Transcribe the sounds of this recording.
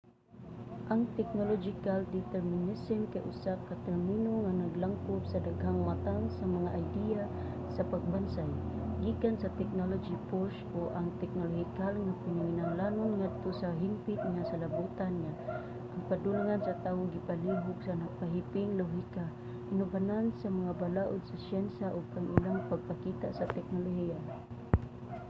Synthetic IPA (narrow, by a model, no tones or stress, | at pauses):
ʔaŋt̪ɛk̚nolod͡ʒikaldit̪ɛrminisɛmkaʔṵsakːat̪ɛrminuŋanaɡlaŋkubsadaɡɦaŋmat̪aŋsamaŋaʔːjdia | sapaɡ̚bansajɡikansat̪ɛk̚nolod͡ʒipɔskuʔaŋt̪ɛk̚noloɦikalŋapinuŋinaŋlanunŋad̪̚t̪usaɦimpɪt̪̚ŋasalabut̪anŋa | ʔaŋpadulŋansat̪aʊɡipaliɦʊɡsanapaɦipɪŋloɦika | ʔinubanansamaŋabalaʔʊd̪̚sasjɛnsaʔʊbaŋʔilaŋpaɡ̚pakit̪aʔsat̪ɛk̚noloɦia